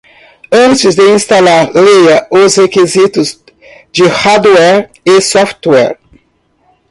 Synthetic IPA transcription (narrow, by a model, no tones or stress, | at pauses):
ɐ̃nt͡ʃɪzd̪eĩst̪alaɾlejɐʔozekizit̪ʊz | d͡ʒihad̪wɛɾ | esɔft̪wɛ̰ɾ